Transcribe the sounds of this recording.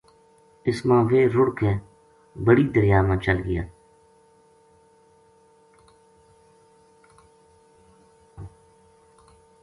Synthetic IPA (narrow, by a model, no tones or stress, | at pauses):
ɪsmãːʋeːɾʊɽkʰẽː | bəɽiːd̪əɾjaːmãːt͡ʃəlɡɪja̰ː